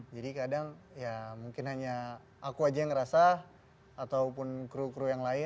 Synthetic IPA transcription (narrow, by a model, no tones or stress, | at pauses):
d͡ʒadikadaŋ | jamuŋkɪnɦaɲa | akuad͡ʒajaŋɾasaː | t̪awpʊnkɾukɾujaŋlaɪ